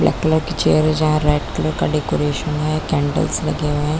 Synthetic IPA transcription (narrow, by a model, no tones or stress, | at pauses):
blɛ̰ːkkləɾkit͡ʃḛːəɾɛd͡ʒɐɦãɾɛːʈkələɾkaɖekoɾeːʃənɦɛkɛ̃ːɳɖə̰lslɐ̰ɡeʋɛ̃